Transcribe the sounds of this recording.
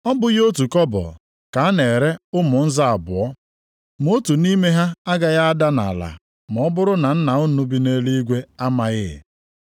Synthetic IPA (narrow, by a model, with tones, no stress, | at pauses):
ɔ˦bʊ˨ɣo˦tu˨kɔ˦bɔ̰˨ | ka˨a˦ne˨ɾe˦ʊ˦mʊ˨n̩˦za˦a˨bʊ˨ɔ˦ | m˦o˦tu˨ni˦me˦ɦa˦a˦ɡa˨ɣa˦a˦da˦na̰˨la̰˨ | m˨ɔ˦bʊ˦ɾʊ˦na˨n̩˦na˨o˦nu˦bi˦ne˦li˦i˦ɡʷe˦a˦ma˨ɣɪ̰˦˨